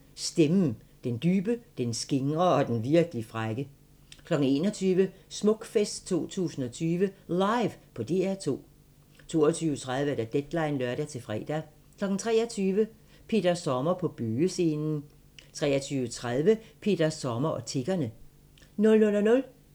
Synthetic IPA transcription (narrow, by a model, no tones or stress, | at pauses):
sd̥em̩d̥end̥yːb̥əd̥ensɡ̥e̝ŋʁɐɒ̽d̥enʋiɐɡ̥əlifʁaɡ̥ə | kʰlɒ̽ɡ̥n̩e̝̰ːnɒt͡sʰyːʋə | smɔ̽ɡ̥fesd̥t͡sʰo̝̰ːt͡sʰṵːsn̩ɒ̽t͡sʰyːʋəlɑ̈ɪʋpʰɒ̽d̥e̝̰ːæɐt͡sʰo̝̰ː | t͡sʰo̝̰ːɒt͡sʰyːʊət͡sʰʁaðˠʋəd̥æd̥ed̥lɑ̈ɪnlœɐɾ̥æt͡sʰe̝fʁɛ̰ːd̥æ | kʰlɒ̽ɡ̥n̩t͡sʰʁɛ̰ːɒt͡sʰyːʋə | pʰe̝̰ːd̥ɐsɒmɐpʰɒ̽b̥yːəse̝ːnn̩ | t͡sʰʁɛ̰ːɐt͡sʰyːʋət͡sʰʁaðˠʋəpʰe̝̰d̥æsɒmɐʔɒ̽t͡sʰe̝ɡ̥ɐnə | nɔ̽lnɔ̽lɒnɔ̽l